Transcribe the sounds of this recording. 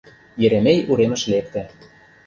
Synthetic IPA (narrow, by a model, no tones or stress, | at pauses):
jĕɾemejuɾemə̆ʃlep̚t̪ĕ